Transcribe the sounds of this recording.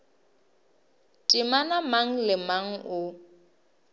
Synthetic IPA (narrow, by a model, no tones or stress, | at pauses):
tʼimanamaŋ̩lɪmaŋ̩ʔʊ